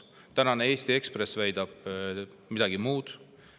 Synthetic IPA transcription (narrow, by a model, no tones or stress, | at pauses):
t̪ænɑnee̞ːst̪ie̞kspresvæjd̪̥ɑb̥̚ | mid̪̥ɑɡimuːd̪̥